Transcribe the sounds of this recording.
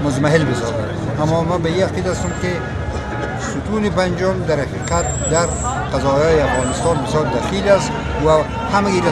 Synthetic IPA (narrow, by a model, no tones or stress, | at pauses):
mʊzmaɦɪlbɪsɔ̰za̰d̪ | amːɔmabaiaqid̪aast̪ʊmkɪ | sʊt̪unɪpand͡ʒʊmd̪aɾhaqiːqat̪̚ | d̪aɾqazɔːjɔːjiafɣɑːnɪst̪ɑnbɪsjɒːɾd̪axilast̪ | wa | hamaɡiɾa